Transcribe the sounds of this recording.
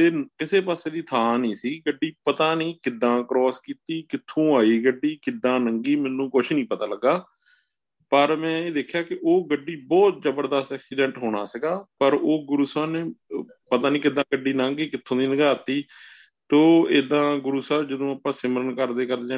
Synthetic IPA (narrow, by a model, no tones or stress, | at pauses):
eːkɪseːpaːseːd̪iːt̪ʰaːnĩːsiːɡəɖːiːpət̪aːnĩːkɪd̪ːãːkɾɔːskiːt̪iːkɪt̪ʰːõːaːiːɡəɖːiːkɪd̪ːãːnəŋɡiːmɛːnːũːkʊt͡ʃʰnĩːpət̪aːləɡːaː | pəɾmɛ̃ːeːd̪eːkʰːjaːkɪʔoːɡəɖːiːbɔːt̪̚zəbəɾd̪əst̪ɛːksiːɖɛ̃ːɳʈɦoːɽ̃a̰ːsəɡaːpəɾoːɡʊɾuːsaːneː | pət̪aːnĩːkɪd̪ãːɡəɖːiːnãːŋɡiːkɪt̪ʰːõːd̪iːnəɡaːt̪iː | t̪oːeːd̪ãːɡʊɾuːsəːbd͡ʒəd̪õːaːpãːsɪməɾənkəɾd̪eːkəɾaː